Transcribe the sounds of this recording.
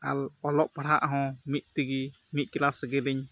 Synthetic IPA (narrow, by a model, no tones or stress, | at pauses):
alɔlɔʔpaɽaʔɦɔ̃miʔ̚t̪iɡi | mit̪̚ˀkilasɡiliɲ